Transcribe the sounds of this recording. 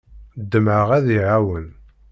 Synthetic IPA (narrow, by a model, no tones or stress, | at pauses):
d̪ːəmʕəʁæðiʕawən